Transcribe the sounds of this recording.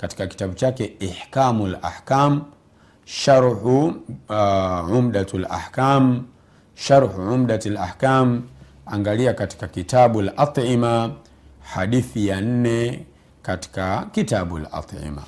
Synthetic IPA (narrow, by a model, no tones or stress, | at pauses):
kati̥kaki̥taɓut͡ʃakɛiħkamula̰ħkam̩ | ʃaɾhu | ʕumɗatlʔa̰ħkam | ʃaɾhuʕumɗatala̰hkam̩ | aŋɡaliakati̥kakitaɓualʔɑt̪ˤʕima | haɗiθijan̩nɛ | kati̥kakitaɓua̰lʔɑ̰t̪ˤʕḭma̰